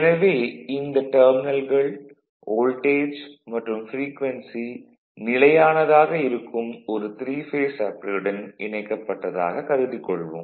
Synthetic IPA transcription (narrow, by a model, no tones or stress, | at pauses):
ɪnɐʋeːɪnd̪ɐʈɐːɾmɪnɐlɣɐɭ | oːlʈeːd͡ʒmɐʈrɯmfɾiːkʋɐnsi | nɪlɐjaːnɐðaːɣɐɪɾɯkːɯmɔɾɯt̪ɾiːfeːsɐpːɯɽɐnʔɪɳɐɪkːɐpːɐʈːɐða̰ːɣɐkɐɾɯðɪkːɔɭʋɯ̰m